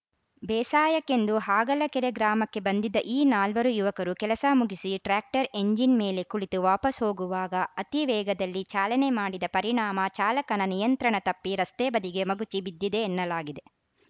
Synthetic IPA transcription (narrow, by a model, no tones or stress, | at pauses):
bɛːsaːjɐkːe̞nd̪uɦaːɡɐlɐkɛɾeɡɾaːmɐkːe̞bɐnd̪id̪ɐʔiːnaːlʋɐɾujuʋɐkɐɾukɛlɐsɐmuɡisiʈɾaːk̚ʈɐɾe̞ɲd͡ʒinmeːle̞kuɭit̪uʋaːpɐsɦo̞ːɡuʋaːɡɐɐt̪iʋɛːɡɐd̪ɐlːit͡ʃaːlɐne̞maːɽid̪ɐpɐɾiɳaːmɐt͡ʃaːlɐkɐnɐnijɐnt̪ɾɐɳɐt̪ɐpːiɾɐst̪eːbɐd̪iɡe̞mɐɡut͡ʃibid̪ːid̪e̞ːnːɐlaːɡid̪e̞